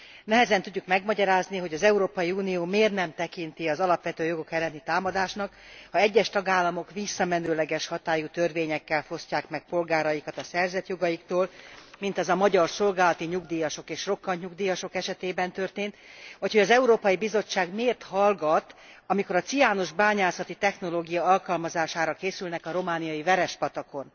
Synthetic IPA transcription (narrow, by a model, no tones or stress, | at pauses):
nɛɦɛzɛnt̪uɟːukmɛɡmɒɟɒɾaːzniɦo̞ɟɒzɛuɾoːpɒjiuːnioːmeːrnɛmt̪ɛkint̪iɒzɒlɒpʋɛt̪øːjo̞ɡo̞kɛlːɛnit̪aːmɒd̪aːʃnɒk | hɒɛɟːɛʃt̪ɒɡaːlːɒmo̞kʋisːɒmɛnøːlɛɡɛʃhɒt̪aːjut̪ørveːɲɛkːɛlfo̞scaːkmɛk̚po̞lɡaːɾɒjikɒt̪ɒsɛrzɛt̪jo̞ɡɒjikt̪oːlmint̪ɛzɒmɒɟɒrso̞lɡaːlɒt̪iɲuɡd̪iːjɒʃo̞keːʃro̞kːɒɲɲuɡd̪iːjɒʃo̞kɛʃɛt̪eːbɛnt̪ø̞rt̪eːnt̪ucho̞ɟɒzɛuɾoːpɒjibizo̞t͡ʃːaːɡmeːrt̪hɒlɡɒt̪ | ɒmiko̞ɾɒt̪sijaːnoʒbaːɲaːsɒt̪it̪ɛxno̞loːɡijɒɒlkɒlmɒzaːʃaːɾɒkeːsylnɛkɒɾo̞maːnijɒjivɛɾɛʃpɒt̪ɒko̞n